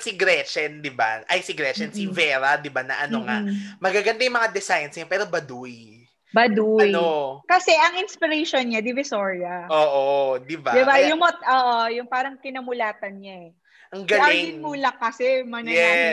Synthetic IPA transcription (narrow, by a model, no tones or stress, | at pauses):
sɪɡɾɛt͡ʃɛnd̪ɪba̰ʔɐjsɪɡɾɛt͡ʃɛnsivɛɾɐd̪ɪbanɐ̰ʔɐnoŋamɐɡaɡɐnd̪ajʊmɐŋad̪ɛsajnsɲɐpɛːɾobɐd̪uj | bɐd̪uɐjnokɐsɛʔɐŋɪnspɪɾɛjʃonɲad̪ɪvɪsoɹijɐʔoːʔod̪ɪbad̪ɪbajʊŋmot̪ʔoːʔojʊŋpaːɾɐŋkɪnɐmʊlaːt̪ɐnɲaɛ | ʔɐŋɡɐlaɪlɪnmuːlɐkːɐsɛmɐnɐɛ